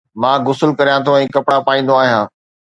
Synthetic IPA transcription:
mãːɡʊsəlkɐɾijãt̪ʰõɛ̃ːkɐpɽapaːĩːn̆d̪õaːɦijãː

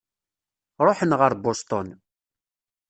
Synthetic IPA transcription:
ɾˤoħənʁəɾbost̪on

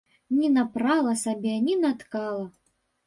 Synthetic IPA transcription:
nʲinapɾalˠɐsabʲɛnʲinat̪kalˠɐ

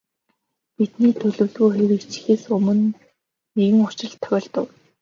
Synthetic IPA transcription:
pit̪niːt̪ʰɵɮɵ̆wɮɣuːxeɾɘ̆kt͡ɕxeːsɵmɵ̆n | eɣɘ̆ŋʊ̥t͡ɕɪ̆ɮt̪ʰːœɮt̪ə̆w

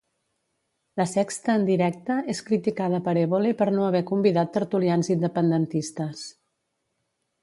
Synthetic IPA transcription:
ləsɛkst̪əːnd̪iɾɛk̚t̪əeskɾit̪ikaðəpəɾeβolepəɾnoəβɛkumbiðat̪ːəɾt̪ulianzind̪əpənd̪ənt̪ist̪əs

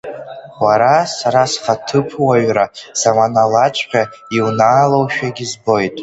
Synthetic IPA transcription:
aɾasaɾasχatʰɨpʰwaɥraz̥amanalat͡ʃʷʼqʲaiwnaːlowʃᶣaɡʲizbo̞jtʼ

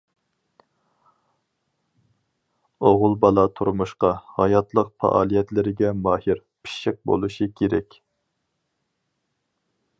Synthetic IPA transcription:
oʁʊlˠbɑlˠɑt̪ʰuɾmuʃqɑhɑjɑt̪lˠəq̚fɑ̰ʔɑːlˠijɛt̪lɪɾɪɡʲɛmɑːhiɾ | pʰi̥ʃɪq̚bo̰lˠuʃikʲʰeɾɛkʲ

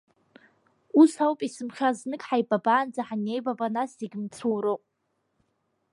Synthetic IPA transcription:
usawpʼisɨmχʲaznɨkʼħajbabaːnd͡zaħanejbabanaseɡʲmt͡sʰuwɾopʼ

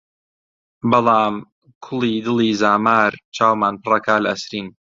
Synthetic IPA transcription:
bɑlˠɑːm | kʰʊliːd̪ɨliːzaːmaːɾt͡ʃʰaːwmaːnpɨrˤɐkaːlʔɐ̰sɾiːn

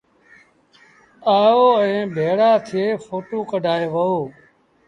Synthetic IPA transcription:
aːjoːɛ̃ːbʱeːɽaːt̪ʰɪeːfoːʈoːkəɖʱaːeːʋəoː

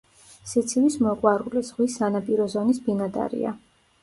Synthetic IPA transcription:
sit̪sʰivismɔqʼwaɾuliz̥ʁwisanapʼiɾɔzɔnisbinad̪a̰ɾḭa̰

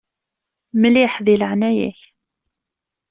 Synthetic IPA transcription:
mliħðiləʕnæjæ̰ç

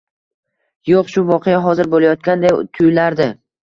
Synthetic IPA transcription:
joqʃʊvɒqʰejaɦɒzɪɾbolajɒt̪̚kʲand̪ajt̪ʰʊjlaɾd̪ɪ

